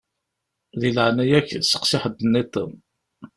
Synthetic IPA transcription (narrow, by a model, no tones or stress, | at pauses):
ðilʕnæjæçsːə̥qsɪħəd̪ənːit̪ːə̰